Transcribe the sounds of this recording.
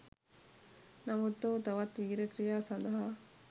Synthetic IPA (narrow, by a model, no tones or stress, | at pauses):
nɐmut̪ːoːt̪ɐʋɐt̪ːiɾɐkɾijaːsɐnd̪ɐɦa